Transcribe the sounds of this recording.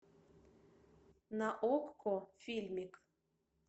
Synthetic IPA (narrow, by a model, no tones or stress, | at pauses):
nɑʔokːofʲilʲmʲik